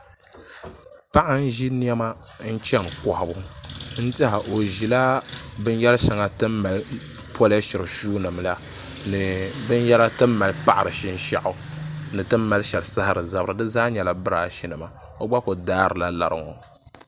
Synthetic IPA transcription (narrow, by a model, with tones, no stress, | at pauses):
pa˦ʔa˦n̩˦ʒi˦ni˦ɛ˦ma˦ | n̩˦t͡ʃɛ˦ŋkɔ˨hʊ˨bu˨n̩˦tɛ˦ha˨ʔo˨ʒi˨la˦bɨ˦n˦jɛ˦lʃa˨ŋa˦tɨ˦mːa˨l | pɔ˦lʃɪ˨ɾɨ˨ʃuː˦nɨ˨mla˦ | nɨ˨bɨ˦n˦jɛ˦la˦tɨ˦mː˦a˨lpa˦ʔa˨ɾɨ˨ʃi˦n˦ʃa˦ʔʊ˨nɨ˨tɨ˦mːa˨lʃɛ˨lsa˦ha˨ɾɨ˨za˦bɾɨ˨dɨ˦zaː˦ɲɛ˨la˨bɨ˦ɾa˨ʃi˦nɨ˨ma˨ | o˦ɡ͡ba˦ko˨daː˦ɾɨ˨la˦la̰˨ɾɨ̰˨ŋɔ̰˨